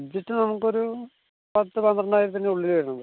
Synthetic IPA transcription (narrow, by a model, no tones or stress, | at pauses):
dːiʈːɨnɐmukːo̞ɾu | pɐt̪ːɨpɐnd̪ɐrɐɳːaːjɾut̪̬ɐnːe̞uɭːilʋɐɾɐɳɐmð